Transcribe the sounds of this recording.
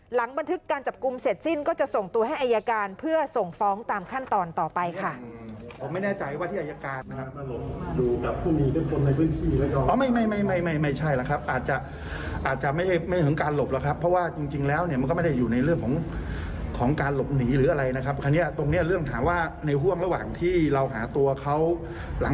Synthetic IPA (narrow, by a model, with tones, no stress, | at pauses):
la˩˦ŋba˧nt̪ʰɯ˦˥kːaː˧nt͡ɕa˨˩p̚ku˧mse˨˩t̪̚si˥˩nkɔː˥˩t͡ɕa˨˩ʔso˨˩ŋt̪u˧ɐɦa˥˩jʔa˧jaː˧kaː˧npʰɯ˥˩ɐso˨˩ŋfɔː˦˥ŋt̪aː˧mkʰa˥˩nt̪ɔː˧nt̪ɔː˨˩pa˧jkʰa˥˩pʰo˩˦mːa˥˩jnɛː˥˩t͡ɕa˧jwa˥˩iː˥˩ʔa˧ja˧kaː˧nː˦˥kʰa˦˥p̚duː˧ka˨˩pʰuː˥˩niː˨˦˩pe˥˩nkʰo˧nːa˧jpʰɯː˥˩ənt̪ʰiː˥˩lɛː˦˥kɔ˧˩ʔɔː˧˦ma˥˩jma˥˩jma˥˩jma˥˩jma˥˩jma˥˩jt͡ɕʰa˥˩jla˦˥˩kʰɾa˦˥p̚ʔaː˨˩t̪̚t͡ɕa˨˩ | ʔaː˨˩t̪̚t͡ɕa˨˩ma˥˩jda˥˩jma˥˩t̪ɯ˩˦ŋkaː˧nlo˨˩p̚la˨˦˩kʰɾa˦˥pʰːɾɔ˦˥waː˥˩t͡ɕi˧ŋt͡ɕi˧ŋlɛː˦˥wni˥˩ma˧nk̬ɔ˥˩ma˥˩d̪a˥˩juː˨˩na˧jɾɯ˥˩əŋkʰɔː˩˦ŋ | kʰɔː˩˦ŋkaː˧nlo˨˩p̚niː˩˦ɾɯː˩˦ʔa˧ɾa˧jna˦˥kʰa˦˥p̚kʰa˧nːi˦˥ɐt̪o˧ŋni˦˥ɐɾɯ˥˩əŋt̪ʰaː˩˦mwaː˥˩na˧jɦu˥˩əŋɾa˧waː˨˩ŋt̪ʰiː˥˩ɾa˧wɦa̰ː˩˦t̪u˧ɐkʰa˦˥w | la˨˩˦ŋ